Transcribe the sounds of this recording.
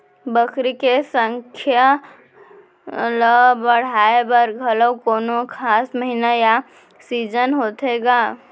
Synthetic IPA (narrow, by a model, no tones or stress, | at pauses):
bəkɾikesə̃ŋkʰja | ləbəɽ̤aːebəɾɡʱələwkoːnokʰaːsməɦinaja | siːd͡ʒənɦoːt̪eːɡaː